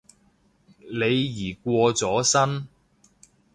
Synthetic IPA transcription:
le˨˧jːiː˨˩kʷɔː˧t͡sɔː˨˥sɐ˥n

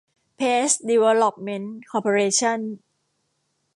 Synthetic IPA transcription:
pʰeː˦˥sdi˧wɛ˧lɔ˧˩p̚me˧˥nkʰɔː˧˩pʰo˧ɾeː˧t͡ɕʰɔ˥˩n

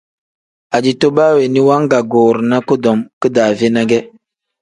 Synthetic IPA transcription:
a˨d͡ʒi˨to˦baː˦we˨ni˦wa˦ŋ˦ɡa˨ɡoː˨ɾna˦ko˦dɔ˨mkɨ˦daː˨ve˦na˦ɡɛ˦

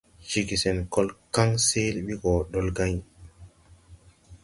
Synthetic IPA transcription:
t͡ʃi˨ɡi˨sɛ˨nkɔ˦lka˦ŋse˦lɓi˦ɡɔ˨ɗɔ˦lɡa˦ɲ

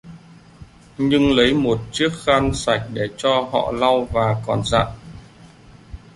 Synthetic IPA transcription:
ɲɨ˧ŋlə˨˦jmo˨˩t̚t͡ɕɨ˦˥ək̚xa˧nsa˧˩jk̟̚ɗe˧˩t͡ɕɔ˧hɔ̰˧˨la˧wvaː˨˩kɔ˨˩nza̰ː˧˨ʔ

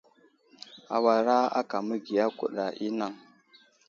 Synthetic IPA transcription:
a̰˨wa˨ɾa˦a̰˦ka˨mə˦ɡi˨ja˦kṵ˨ɗa˨ʔi˦na˦˨ŋ

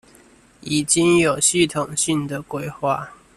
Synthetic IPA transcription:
i˨˩t͡ɕi˦ŋjo˨˩ʊɕi˥˨t̪ʰʊ˨˩ŋɕi˥˨ŋd̪ə˨kwe˦ɪxwa˥˨

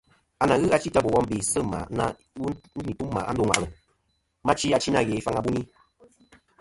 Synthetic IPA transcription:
a˨na˨ɣɨ˦a˧˦t͡ʃi˦ta˦bo˨wɔ˦m˦bi˨sɨ˦˨ma̰˨˦na̰˦ | i˨tu˦mː˦a̰˨ʔa˦do˦ŋʷwa̰˨ʔɣə˨ | ma˦t͡ʃi˦a˧t͡ʃi˦na˦˨ɣe˨˦i˦fa˦ŋa˨bu˦ni˦

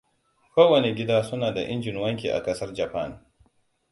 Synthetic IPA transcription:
kʷoː˦wɐ˨ne˨ɡʲɪ˦daː˦sʊ˦naː˨da˨ʔɪ˦nd͡ʒɪ˨nwɐ˦ŋk̬ʲḭː˨ʔa̰˨kɐ˦sɐ˦rd͡ʒa˨pa˦˨n

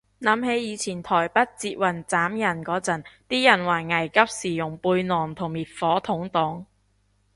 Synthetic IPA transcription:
nɐ˨˥mhe˨˧˥jjiː˨˧t͡sʰiː˨˩nt̪ʰɔː˨˩jpɐ˥t̚t͡siː˧t̚wɐ˨˩nt͡saː˨˥mjɐ˨˩nkɔː˨˥t͡sɐ˨˩nt̪iː˥jɐ˨˩nwaː˨˩ŋɐ˨˩jkɐ˥p̚siː˨˩jʊ˨˩ŋpuː˧jnɔː˨˩ŋt̪ʰʊ˨˩ŋmiː˨t̚fɔː˨˥t̪ʰʊ˨˧˥ŋt̪ʊ˨˥ŋ

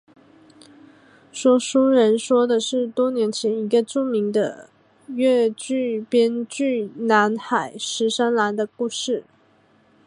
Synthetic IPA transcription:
ʂwɔ˥ʂu˥ɻə˧˥nʂwɔ˥d̪ə˨ʂɻ̩˥˩t̪wɔ˥njɛ˧˥nt͡ɕʰjɛ˧˥ni˧˥ɡə˧ʈ͡ʂu˥˩mi˧˥ŋd̪ə̰˧ | ɥɛ˥˧t͡ɕy˥˩pjɛ˥nt͡ɕy˥˩na˧˥nxa˨˩˦ɪʂɻ̩˧˥ʂa˥nla˧˥nd̪ə˧ku˥˧ʂɻ̩˥˩

